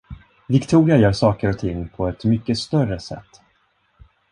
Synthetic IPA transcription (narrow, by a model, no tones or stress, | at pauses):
vɪkt̪ʰuːɾɪajœːʂɑːkəɾɔt̪ʰɪŋːpʰɔɛt̪mʏkːəst̪œrəsɛ̰t̪ː